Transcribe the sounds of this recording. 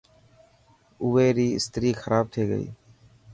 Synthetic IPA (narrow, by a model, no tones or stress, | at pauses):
ʊʋeːɾiːɪ̰st̪ɾiːxəɾʔaːb̚t̪ʰiːɡə̰ḭː